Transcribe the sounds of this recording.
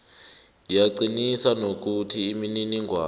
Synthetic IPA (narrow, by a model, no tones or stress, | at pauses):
jaǀinisanok̬utʰiːmininiŋʱwa̰ː